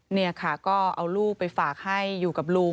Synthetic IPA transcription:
ni˥˩ɐkʰa˥˩kɔː˥˩ʔa˧wluː˥˩k̚pa˧jfaː˨˩k̚ha˥˩jːuː˨˩ka˨˩p̚luː˧

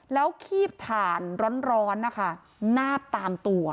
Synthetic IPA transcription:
lɛː˦˥wkʰiː˥˩p̚p̪ʰaː˨˩nɾɔː˦˥nɾɔː˦˥nːa˦˥kʰa˥˩ | naː˥˩p̚t̪aː˧mt̪u˧ɐ

